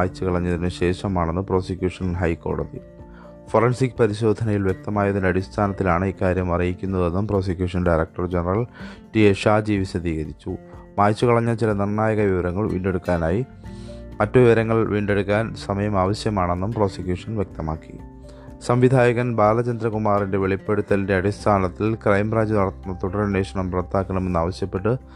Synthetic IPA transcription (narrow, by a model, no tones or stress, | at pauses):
aːjt͡ɕːukɐɭɐɲːɐðinɨɕe̞ːʂɐmaːɳe̞nːɨpro̞ːsikʲjuːʂɐnɦɐjko̞̰ːɽɐði | forɐnsikʲːpɐɾiɕo̞ːd̪ʱɐnɐjilʋje̞k̚t̪ɐmaːjɐðinɐɽist̪ʰaːnɐt̪ːilaːɳɨikːaːɾjɐmɐrijikʲːunːɐðe̞nːumpro̞ːs̬ikʲjuːʂɐnɖajɾɐk̚ʈɐrd͡ʑenɐrɐlʈieʂaːd͡ʑiːʋiɕɐd̪ʱiːɣɐɾit͡ɕːu | maːjt͡ɕːukɐɭɐɲːɐt͡ɕilɐnirnaːjɐɣɐʋiʋɐɾɐŋːɐɭʋḭːɳɖe̞ɽukːaːnaːji | mɐtːɐʋiʋɐɾɐŋːɐɭʋʔiːɳɖe̞ɽukːaːnsɐmɐjɐmaːʋɐɕjɐmaːɳe̞nːumpro̞ːsikjuːʂɐnʋjek̚t̪ɐmaːkːi̥̰ | sɐmʋid̪ʱaːjɐɣɐnbaːlɐt͡ɕɐnd̪ɾɐkumaːrinde̞ʋe̞ɭipːe̞ɽut̪ːɐlnde̞ɐɽist̪ʰaːnɐt̪ːilkrɐjmbraːɲd͡ʑɨnɐɽɐt̪ːunːɐt̪uɽɐrneːʂɐɳɐmprɐt̪ːaːkːɐɳɐme̞nːaːʋɐɕjɐpːe̞ʈːɨ